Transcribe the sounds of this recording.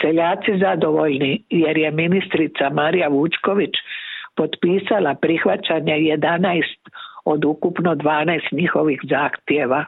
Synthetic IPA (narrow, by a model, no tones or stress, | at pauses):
seʎaːt̪sizad̪o̞ʋo̞ʎnije̞ɾje̞minist̪ɾit̪samaɾijaʋut͡ʃko̞ʋit͡ʃpo̞d̪piːsalapɾixʋat͡ɕaɲeje̞d̪anajst̪o̞d̪ukupnod̪ʋaːnajst̪ɲixo̞ʋixzaːxt̪jeʋa